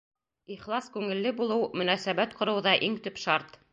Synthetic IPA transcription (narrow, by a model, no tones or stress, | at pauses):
iχlˠɑskʉŋɘ̆lːɘbulˠɤwmɵ̆næsæβæt̪qŏɾɤ̆wðɑʔiŋt̪ɵpʃɑɾt̪